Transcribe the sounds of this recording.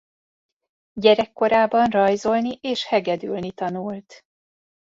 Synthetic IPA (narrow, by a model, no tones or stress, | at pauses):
ɟɛɾɛkːo̞ɾaːbɒnrɒjzo̞lniʔeːʃhɛɡɛd̪ylnit̪ɒnult̪